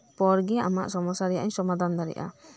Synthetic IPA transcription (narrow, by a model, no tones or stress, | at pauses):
pɔɾɡɛa̰maʔsɔmɔsaɾɛjaʔɲsɔmad̪and̪aɾɛ̰ʔa̰